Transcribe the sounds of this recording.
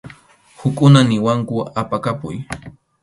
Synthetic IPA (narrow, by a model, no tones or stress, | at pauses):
hʊkʼʊnanɪwaŋkʊapakapʊ̰j